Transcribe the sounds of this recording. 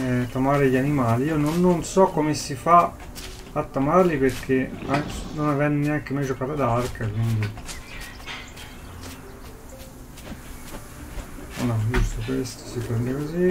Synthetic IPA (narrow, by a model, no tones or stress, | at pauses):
t̪amaːɾeʎanimaːliiːononːonsɔkːomesifa | at̪ːamarliperk̟ʰeanonavɛnːneaŋkemajd͡ʒokaːt̪ad̪arkʰəkwind̪i | o̰nɔd͡ʒust̪okwest̪o̥sipɾend̪ekozi